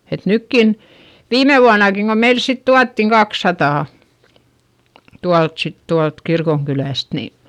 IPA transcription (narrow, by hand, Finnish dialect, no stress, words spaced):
et nykːin ʋiːme ʋuɑnɑkiŋ ko meils sit tuɑtːiŋ kɑksːɑtɑˑ tuɑlt sit tuɑlt kirkoŋkylæˑst ni